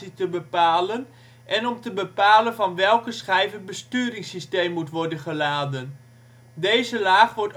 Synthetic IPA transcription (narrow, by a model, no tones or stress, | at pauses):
itəbəpaːlən | ʔɛnɔmtəbəpaːlənvɑnʋɛlˠkəsχɛjvən̚bəstyːɾɪŋsisteːmːutʋɔrdənχəlaːdən | deːzəlaːχʋɔrt